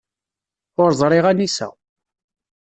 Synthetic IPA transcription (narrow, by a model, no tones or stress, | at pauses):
ʊɾzˤɾˤɪʁænisæ̰